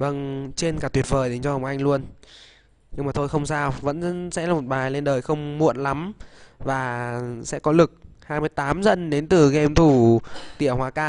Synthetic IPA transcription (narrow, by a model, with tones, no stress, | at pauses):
və˧ŋt͡ɕe˧nkaː˨˩t̪wi˨˩ət̚vəː˨˩jɗe˨˦nt͡ɕɔ˧hə˨˩wŋ͡mʔa˧jŋlu˧ən | ɲɨ˧ŋ͡mmaː˨˩t̪ʰjxə˧wŋ͡msaː˧wvə̰˧˥nsɛ̰˧˥laː˨˩mo˨˩t̚ɓaː˨˩jle˧nɗəː˨˩jxə˧wŋ͡mmṵ˧˥ənla˨˦mvaː˨˩sɛ̰˧˥kɔ˨˦lɨ˨˩k̚haː˧jmɨ˧əjt̪aː˨˦mzə˧˨nɗe˨˦nt̪ɨ˨˩ɣɛ˧mt̪ʰu˧˩t̪ḭ˧˨əhwaː˨˧˦kaː˧˩